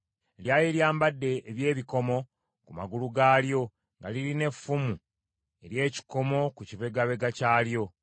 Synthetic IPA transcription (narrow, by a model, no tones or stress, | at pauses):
ljaːjeɾjaːmbadːe̞ːβje̞ːβiko̞mo̞ | kuma̰ɡuluɡaːljo̞ | ŋɡaliɾine̞fːumu | e̞ɾje̞ːci̥ko̞mo̞kuciβe̞ɡaβe̞ɡacaːljo̞